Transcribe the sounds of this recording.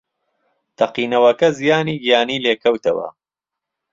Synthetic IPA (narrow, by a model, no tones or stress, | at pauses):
t̪ʰɐqiːnɐwɐkɐzijaːniːɡijaːniːleːkʰɐwt̪ɐwɐ̰